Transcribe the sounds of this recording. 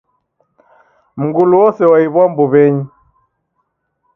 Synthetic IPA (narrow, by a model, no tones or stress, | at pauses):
m̩ɡuluwɔsɛwaiβwambuβɛɲi